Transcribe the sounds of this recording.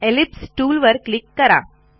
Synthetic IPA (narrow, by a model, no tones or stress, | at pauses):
elipsʈuːlʋəɾklikːəɾa̰